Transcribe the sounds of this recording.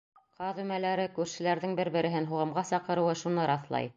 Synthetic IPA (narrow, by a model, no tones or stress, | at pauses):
qʰɑðʉmælæɾɘkʉɾʃɘ̆læɾðɘŋbɘɾbɘ̆ɾɘ̆ɦɘnɦuʁɤ̆mʁɑsɑqɤ̆ɾɤ̆wɤʃunɤɾɑθlˠɑ̰j